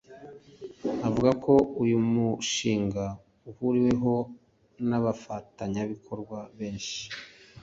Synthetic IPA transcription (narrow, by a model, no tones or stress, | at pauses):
avuɡako̞ujumuʃiːŋɡa | uhuɾiwe̞ɦo̞ | naβafataɲaβikʰo̞ɾɡwaβe̞ːnʃi̥